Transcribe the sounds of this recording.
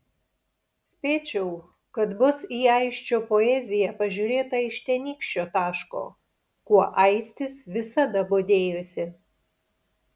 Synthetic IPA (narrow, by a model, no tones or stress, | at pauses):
sʲpʲeːt͡ʃʲɛʊ | kɐt̪bʊsiːɐɪʃʲt͡ʃʲoːpoɛzʲɪjɛpɐʒʲuːɾʲeːt̪ɐɪʃt̪ʲɛnʲiːkʃʲt͡ʃʲoːt̪ɑːʃko̰ː | kuɔʔɐɪsʲt̪ʲɪsʋʲɪsɐd̪ɐboːd̪ʲeːjosʲɪ